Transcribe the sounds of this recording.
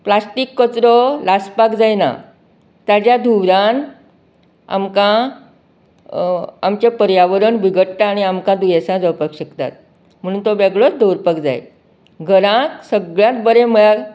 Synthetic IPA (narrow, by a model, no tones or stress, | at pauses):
plasʈikːət͡sɾɔlaspakd͡zajna̰ | t̪jad͡ʑjad̪ʱuʋɾan | a̰mkã | amt͡ɕepəɾjaʋəɾəɳbiɡəʈʈaːɽ̃iamkãd̪ujesãd͡zəwpakɕəkt̪a̰t̪̚ | m̤əɽ̃uːnt̪obɛɡɭɔd̪ʱowɾpakd͡za̰j̰ | ɡʱəɾãt̪səɡɭjãt̪bəɾeməɭa